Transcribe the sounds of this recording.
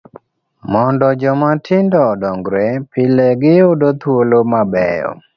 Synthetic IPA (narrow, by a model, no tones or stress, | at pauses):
mɔndɔd͡ʒɔmatʰɪndɔdɔŋɡɾepɪleɡɪodot̪wolomabɛ̰jɔ̰